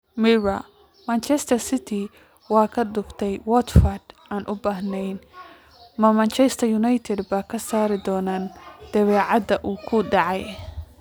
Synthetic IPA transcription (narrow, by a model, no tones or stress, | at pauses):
miɹɐ | mant͡ʃɛst̪ʰɐrsɪt̪ʰɪ | wɑːkʰɐd̪ʊbt̪ʰɛjwɔt̪fɐrd̪ʔaːnʔʊbaːɦnɛjn | mɐmɐnt͡ʃɛst̪ʰɐjʊnajt̪ʰɛd̪bɐkʰɐsaːɾɪd̪ɔːnaːnd̪̥ɐβɛːʕɑd̪ɐʔuːkʰʊɖɑʕɑj